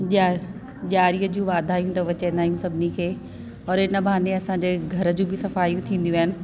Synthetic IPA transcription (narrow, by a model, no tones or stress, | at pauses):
ʄ | ʄaːɾijəd͡ʑũːʋaːd̪ʱaːɦijũt̪ɐʋɐt͡ɕẽːnd̪aːijũsɐbʱɪnikʰeː | ɔːɾɪnə̆bʱaːneɐsãɲd͡ʑeːɡʱɐɾə̆d͡ʑũbɪsɐfaːijũt̪ʰĩːn̆d̪ijũaːɦɪnɪ̆